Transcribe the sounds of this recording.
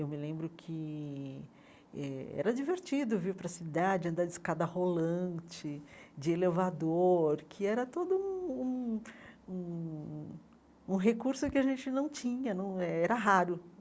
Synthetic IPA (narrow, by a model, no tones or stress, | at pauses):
ewmɪlẽmbɾʊkʰɪ | ɛ̰ɛ̰ɾɐd͡ʒiveɾt͡ʃid̪ʊviɾpɾɐsid̪ad͡ʒɪɐ̃nd̪ad͡ʒɪskad̪ɐholɐ̃t͡ʃɪd͡ʒɪelevad̪oɾkʰɪɛɾɐt̪od̪ʊũũ | ũ | ũɦekuɾsʊkɪɐʒẽnt͡ʃɪnɐ̃w̃t͡ʃĩɲɐnɐ̃w̃ɛɛɾɐɦaɾʊ